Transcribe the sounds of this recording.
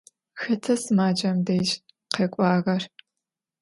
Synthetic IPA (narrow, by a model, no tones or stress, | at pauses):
xɐtʰɐsɨmaːd͡ʒʼɐmdɐjt͡ʃ | qekʷʼɑːɣɐr